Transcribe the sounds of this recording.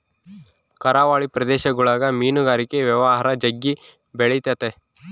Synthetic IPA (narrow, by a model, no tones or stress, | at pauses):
kɐɾaːʋaːɭipɾɐd̪eːʃɐɡuɭaːɡɐmiːnuɡaːɾikeʋjɐʋɐɦaːɾɐd͡ʒɐɡːi | beɭet̪ɐt̪e